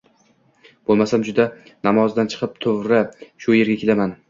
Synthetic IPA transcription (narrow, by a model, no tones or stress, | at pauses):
b̥olˠmasamd͡ʒʊd̪anamɒzd̪ant͡ʃʰɨ̥qʰɨp̚t̪ʰovɾaʃʊje̞ɾɡʲakʲʰe̞laman